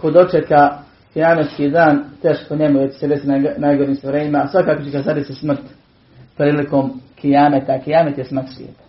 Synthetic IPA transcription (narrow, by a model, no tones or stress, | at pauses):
kod̪o̞t͡ʃeka | kijaːmet̪skiːd̪aːnt̪eːʃpoɲemuʋet͡ɕe̥sed̪esinnajɡoɾiːmst̪oɾeːɲimasʋakaːkot͡ɕekazadisismr̩t̪ | pɾiːliko̞ːmkʰijaːmet̪akijaːmet̪jesmrt̪sʋʲjḛːt̪ḁ